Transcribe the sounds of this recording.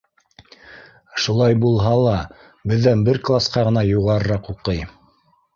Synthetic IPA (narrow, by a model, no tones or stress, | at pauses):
ʃulˠɑjbulˠɦɑlˠɑ | bɘ̆ðːænbɘɾklˠasqɑʁɤ̆nɑjuʁɑɾɤ̆ɾɑquqɤj